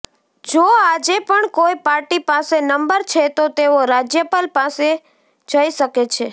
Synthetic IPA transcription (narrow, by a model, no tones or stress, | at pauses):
d͡ʒoad͡ʒepəɳkojpaɾʈipasenəmbəɾt͡ʃʰet̪ot̪eoɾad͡ʒjəpalpase | d͡ʒəiʃəket͡ʃʰe